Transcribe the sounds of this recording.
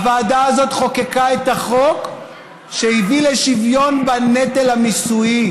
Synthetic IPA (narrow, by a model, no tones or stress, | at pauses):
vaːdaːzo̞t̪χo̞kekaet̪aχo̞k | ʃehivileʃivjo̞nbanetelhamisui